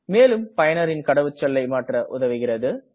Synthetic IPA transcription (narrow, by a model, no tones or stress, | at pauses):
meːlɯmpɐjɐnɐɾɪnkɐɽɐʋɯt͡ʃːɐlːɐɪmaːʈrɐʔʊðɐʋɯɣɪrɐðɯ